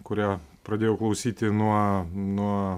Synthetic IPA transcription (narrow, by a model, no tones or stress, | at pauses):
kʊɾʲæːpɾɐd̪ʲeːjɛʊklˠɐʊsʲiːt̪ʲɪnuɔnuɔ